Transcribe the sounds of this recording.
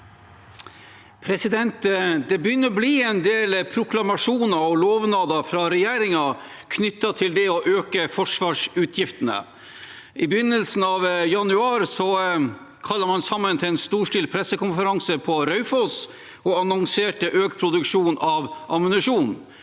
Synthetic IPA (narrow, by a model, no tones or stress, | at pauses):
pʰɾɛsɪd̪ɛnt̪d̪ɛbəjʏnːəɾɔbliːɛnd̪eːlpʰɾʊkʰlɑmɑʂuːnɑɔloːʋnɑːd̪ɑfɾɑɾɛjeːɾɪŋɑ | kʰnʏt̪ːɑt̪ʰɪld̪ɛɔʔøːkəfɔʂʋɑːʂʉːt̪ʰjɪft̪ənə̰ | ɪbəjʏnːəlsn̩ɑʋjɑnʉɑːɾsɔ | kʰɑlːəɾmɑnsɑmːənt̪ʰɪlɛnst̪uːʂʈɪːlpʰɾɛsːəkʊnfəɾɑŋsəpʰɔɾœʉfɔs | ɔɑnɔŋseːʈəʔøːkpʰɾʊd̪ʉkʂuːnʔɑʋʔɑmənʉʂuːn